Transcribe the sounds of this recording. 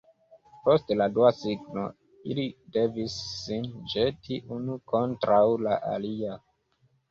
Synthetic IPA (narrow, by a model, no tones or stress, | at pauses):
po̞stladuasiɡno | ilide̞visːind͡ʒe̞tʰiʔunuko̞ntɾʔawlaʔa̰lia